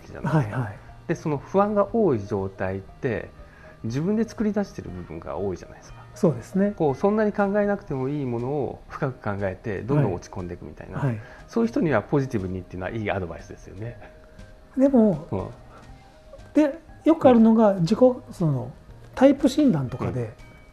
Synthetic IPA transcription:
kʲiʑa̰na̰aiaid̪̥e̞so̞no̞ɸɯ̟βãŋɡaʔo̞ːiʑo̞ːt̪ait̪ːe̞̰ | d͡ʑibɯ̃nd̪e̞t͡sɨ̥kɯ̟ɾʲid̪aɕi̥t̪e̞ɾɯ̟̰bɯ̟bɯ̟̰̃ŋɡa̰o̞ːiʑa̰na̰id̪eskḁso̞ːd̪e̞sɨneko̞ːsõ̞nːaɲ̟ikãŋɡae̞nakɯ̥t̪e̞mo̞iːmo̞no̞̰ːɸɯ̥kakɯ̟̥kãŋɡae̞t̪e̞̰d̪õ̞nd̪õ̞ot͡ɕi̥kõnd̪e̞kɯ̟mʲit̪a̰ḭna̰aiso̞ːjɯ̟çi̥t̪oɲ̟iβapo̞ʑit̪ʲibɯ̟ɲ̟it̪ːeiɯ̟noa̰ʔiːa̰d̪o̞ba̰isɨd̪e̞sɨjo̞̰ne̞ | d̪e̞mo̞ɯ̰̃ː | d̪̥e̞jo̞kɯ̟aɾɯ̟no̞ɡad͡ʑiko̞sonot̪aipɯ̟ɕĩnd̪ãnt̪o̞kad̪e̞

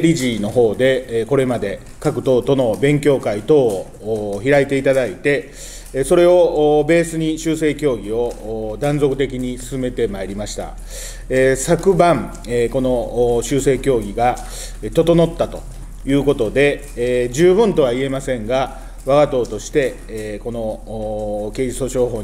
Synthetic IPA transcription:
ɾʲiʑino̞ɦo̞ːd̪e̞ko̞ɾe̞mad̪e̞ | kakɯ̟̥t̪o̞ːt̪o̞no̞bẽ̞ŋkʲo̞ːkait̪o̞ː | çiɾait̪e̞it̪ad̪ait̪e̞ | so̞ɾe̞o̞be̞ːsɨɲ̟iɕɨːse̞ːkʲo̞ːɡʲio̞d̪ãnzo̞kɯ̟̥t̪e̞k̬ʲiɲ̟isɨ̥sɨme̞t̪e̞maeɾʲimaɕi̥t̪a̰ | esakɯ̟bãɴ | ko̞no̞ɕɨːse̞ːkʲo̞ːɡʲiɡa | t̪o̞t̪o̞no̞t̪ːat̪o̞̰ | jɯ̟ːko̞t̪o̞d̪e̞ | d͡ʑɨːbɯ̟̃nt̪o̞β̞aie̞masẽ̞ŋɡa | βaɡat̪o̞ːt̪o̞ɕi̥t̪e̞ | ko̞no̞ | ke̞ːd͡ʑist̪oɕo̞ːɦo̞ː

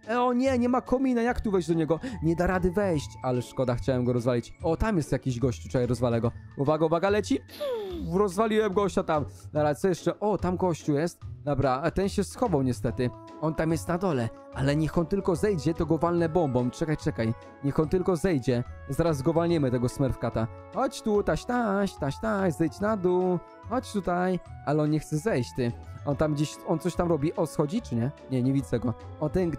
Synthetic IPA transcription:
ɔɲɛɲɛmakʰɔmʲinajakt̪uvɛjd͡ʑd̪ɔɲɛɡɔɲɛd̪aɾad̪ɘvɛjɕt͡ɕalɛʂkɔd̪axt͡ɕawɛmɡɔɾɔzvalʲit͡ɕɔt̪amjɛst̪jakʲiʑɡɔɕt͡ɕut͡ʂɛkajɾɔzvalɛɡɔ | uvaɡauvaɡaalɛt͡ɕi | uɾɔzvalʲiwɛmɡɔɔɕat̪amnaɾasɔjɛʂt͡ʂɛʔɔt̪amɡɔɕt͡ɕuwjɛst̪̚d̪ɔbɾat̪ɛnɕɛsxɔvɔ̃wɲɛst̪ɛt̪ɘ | ɔnt̪amjɛst̪nad̪ɔlɛ | alɛɲɛxɔnt̪ɘlkɔzɛjd͡ʑɛt̪ɔɡɔvalnɛbɔmbɔmt͡ʂɛkajt͡ʂɛkaj | ɲɛxɔnt̪ɘlkɔzɛjd͡ʑɛzaɾazɡɔvalɲɛmɘt̪ɛɡɔsmɛɾfkat̪a | xɔt͡ɕt̪ut̪aɕt̪aɕt̪aɕt̪aɕzɛjt͡ɕnad̪u | xɔt͡ɕt̪ut̪ajalɛɔnɲɛxt̪sɛzɛjt͡ɕt̪ɘɔnt̪amɡd͡ʑeɕɔnt̪sɔɕt̪amɾɔbʲiʔɔsxɔd͡ʑit͡ʂɘɲɛɲɛɲɛvʲizɛɡɔɔnt̪ɛn

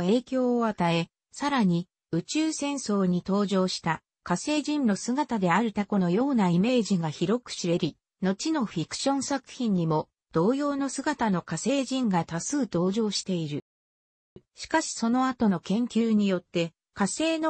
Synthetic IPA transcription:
e̞ːkʲo̞ːat̪ae̞ | saɾaɲ̟i | ɯ̟t͡ɕɨːsẽ̞ɰ̃so̞ːɲ̟it̪o̞ːʑo̞ːɕi̥t̪a | kase̞ːʑĩnːo̞sɨɡat̪ad̪e̞aɾɯ̟t̪ako̞no̞jo̞ːnaime̞ːʑiɡaçiɾo̞kɯ̟̥ɕiɾe̞ɾʲi | no̞t͡ɕino̞ɸʲikɯ̥ɕõ̞ɰ̃sakɯ̟̥çĩɲ̟ːimo̞ | d̪̥o̞ːjo̞ːno̞sɨɡat̪ano̞kase̞ːʑĩŋɡat̪asɨːt̪o̞ːʑo̞ːɕi̥t̪e̞iɾɯ̟ | ɕi̥kaɕi̥so̞no̞at̪o̞no̞kẽ̞ŋkʲɨːɲ̟ijo̞t̪ːe̞ | kase̞ːno̞

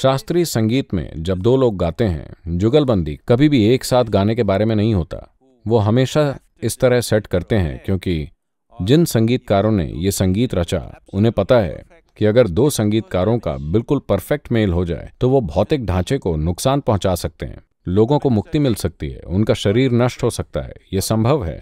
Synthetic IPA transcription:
ʃaːst̪ɾiːsɐ̃ŋɡiːt̪mḛ̃d͡ʒɐb̚d̪oːloːɡ̚ːaːt̪eɦɛ̰̃d͡ʒʊɡəlbɐ̃nd̪ḭkɐbʱibʱieːksaːt̪ʰɡaːnekebaːɾemẽnɐɦĩɦoːt̪a̰ː | ʋoɦɐmeːʃa | ɪst̪ɐɾəɦsɛʈkɐɾt̪eɦɛ̰̃kjõːki | d͡ʒɪnsɐ̃ŋɡiːt̪kaːɾõnḛjesɐ̃ŋɡiːt̪ɾɐt͡ʃa̰ʊnɦẽpɐt̪aɦɛ̰ | kiɐɡəɾd̪oːsɐ̃ŋɡiːt̪̚kaːɾõka̰bɪlkʊlpɐɾfɛk̚ʈmeːlɦod͡ʒa̰ːḛt̪oʋobʱɔːt̪eːk̚ɖʱãːt͡ʃekonʊksaːnpɐɦʊ̃t͡ʃaːsɐk̚t̪ḛɦɛ̰̃ː | loːɡõkomʊk̚t̪imɪlsɐk̚t̪iɦɛ̰ʊnkaʃɐɾiːɾnɐʃʈɦosɐk̚t̪a̰ɦɛ̰ːjesɐ̃mbʱəʋɦɛ̰ː

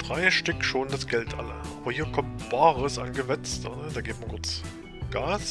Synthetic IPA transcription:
d̥ʁaɪʃtʏkʃoːndasɡ̥ɛltʰʔa̰ləʔaːbɐhiːɐkʰɔmtb̥aːʁəsa̰nɡəvɛt͡sta̰nəd̥aːɡeːbtmankʰʊɐt͡s | ɡ̥aːs

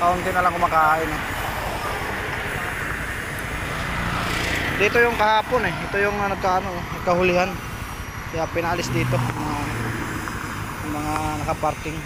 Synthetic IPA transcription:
kaɔnt̪inalaŋkumakaina | dit̪ɔjɔŋkaɦapɔnɛit̪ɔjɔŋanakaːnu | kaɦulian | diapɛnaːlisdit̪ɔŋa | maŋanakaparkɪŋ

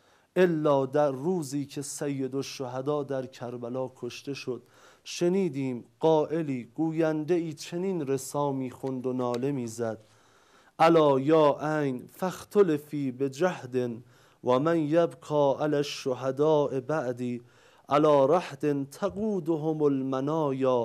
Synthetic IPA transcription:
ʔelːɒːd̪æɾːuːziːcʰe̞sæjːe̞d̪oʃːoɦæd̪ɒːd̪æɾcʰæɾbælɒːkʰoʃt̪e̞ʃo̞d̪̥ | ʃe̞niːd̪iːmɢ̥ɒːʔe̞liːɡ̥uːjænd̪e̞iːt͡ʃʰe̞niːnɾe̞sɒːmiːxond̪onɒːle̞miːzæd̪̥ | ʔælɒːjɒːʔæjnfæxt̪ʰolefiːbed͡ʒæhd̪en | wæmænjabkʰɒːʔalæʃːoɦæd̪ɒːʔebæʔd̪iː | ʔælɒːɾæhd̪e̞nt̪ʰaɡuːd̪oɦomolmænɒːjɒː

